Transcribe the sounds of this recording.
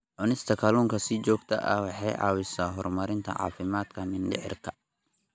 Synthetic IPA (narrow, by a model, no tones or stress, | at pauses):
ʕʊnɪst̪ʰɐkʰɐluːŋkʰɐsid͡ʒɔːɡt̪ʰɐ̰ʔɐ̰wɑħɑjʔɑ̰ːwɪsaːɦɔrmɐɾɪnt̪ʰɐ̰ʕɑ̰ːfɪmaːd̪kʰɐmɪnɖɪ̰ʕɪ̰rkʰɐ̥